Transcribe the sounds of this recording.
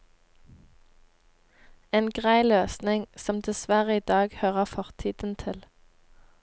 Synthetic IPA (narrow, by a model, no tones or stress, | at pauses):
eːnɡʁæɪløːsnɪŋsɔmd̪ɛsʋæʁəiːd̪ɑːɡhøːʁəfɔʁt̪ʰiːd̪n̩t̪ʰɪl